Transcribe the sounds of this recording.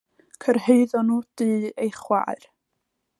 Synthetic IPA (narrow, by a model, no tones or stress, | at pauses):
kʰərheɨðɔnuːd̥ɨːejχwa̰ɨr